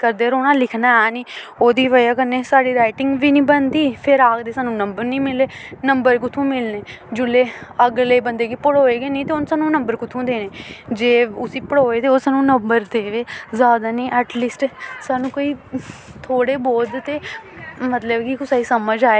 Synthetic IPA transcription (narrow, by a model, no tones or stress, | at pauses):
kəɾd̪eːəɾoːnãːlɪkʰnaːɛːniːoːd̪iːʋəjaːkənːeːsaːɽiːɾaːɪʈɪ̃ŋɡʋiːnĩːbənd̪iːpʰɪɾaːkd̪eːsaːnũːnəmbəɾnĩːmɪleːnəmbəɾkʊt̪ʰːũːmɪlneː | d͡ʒʊlːeːəɡleːbənd̪eːɡiːpəɽoːeːɡeːnĩːt̪eːʊnsaːnũːnəmbəɾkʊt̪ʰũːd̪eːneːd͡ʒeːʊsiːpəɽoːeːt̪eːoːsaːnũːnəmbəɾd̪eːʋeːzjaːd̪aːnĩːʔɛʈliːsʈsaːnũːkoːiːt̪ʰoːɽeːboːd̪t̪eːmət̪ləbkɪkʊsaːiːsəməd͡ʒaːeː